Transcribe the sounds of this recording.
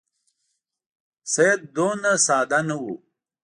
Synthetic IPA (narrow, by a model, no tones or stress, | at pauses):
sɐjɐd̪̚d̪oːnasaːd̪anɐwu